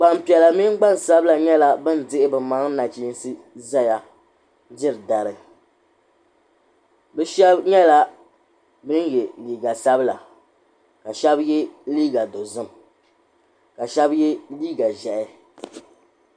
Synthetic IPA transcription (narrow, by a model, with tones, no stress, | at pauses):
k͡pa˨m˨pi˨ɛ˨la˨mi˦ɡ͡ba˦n˨sa˦bla˨ɲɛ˦la˨bɨ˦n˦dɪ˦ʔɪ˦bɨ˨ma˨ŋ˦na˨t͡ʃi˦n˦sɨ˦ | za˦ja˨ | d͡ʒɪ˦ɾɨ˨da˨ɾɨ˨ | bɛ˦ʃɛ˦bɲɛ˦la˦ | bɨ˦n˦jɛ˨liː˨ɡa˨sa˦bla˨ | ka˨ʃɛ˦bjɛ˦liː˦ɡa˨do˨zɨ˦m | ka˨ʃɛ˦bjɛ˦liː˦ɡa˨ʒɛ˨ʔɪ˦